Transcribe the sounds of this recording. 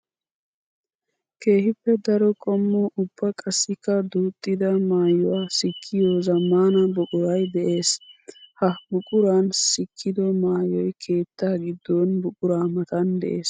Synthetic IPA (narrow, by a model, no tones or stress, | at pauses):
ke̞ːhɪpːɛd̪ɐɾɔkʼɔmːɔʔʊbːɐkʼɐsːɪkːɐd̪uːt̪ʼːɪd̪ɐmaːjʊwaːsɪkʰːɪjɔzɐmːaːnɐbʊkʼʊɾɐjd̪ɛʔe̞ːshɐbʊkʼʊɾaːnsɪkʰːɪd̪ɔmaːjɔjkʰe̞ːt̪ːaːɡɪd̪ːɔnbʊkʼʊɾaːmɐt̪ɐnd̪ɛʔe̞ːs